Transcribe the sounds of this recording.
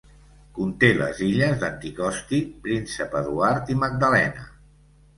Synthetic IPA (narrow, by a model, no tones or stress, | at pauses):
kunt̪elə̰ziʎəzðənt̪ikɔst̪ipɾinsəpəðuaɾt̪iməɡ̚d̪əlɛnə